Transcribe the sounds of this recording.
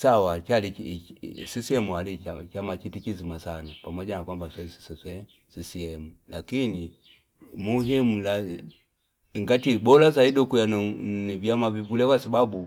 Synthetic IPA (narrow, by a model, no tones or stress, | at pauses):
sawat͡ʃali | sisiɛmualit͡ʃamat͡ʃitikizimasanapamɔʄanakwambasɛsi̥sisɛ | sisiɛmulakini | muɦimula | ŋɡatiɓɔlazaidɔkujannivjamavivulɛkwasababu